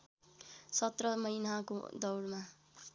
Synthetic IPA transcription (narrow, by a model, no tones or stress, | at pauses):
sʌt̪rʌmʌjnako̰d̪ʌwɽma